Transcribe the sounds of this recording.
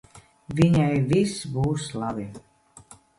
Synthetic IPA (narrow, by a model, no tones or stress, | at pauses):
viɲajvisbuːslˠabi